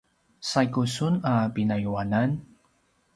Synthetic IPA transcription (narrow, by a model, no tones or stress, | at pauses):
sajkusunapinajuwanan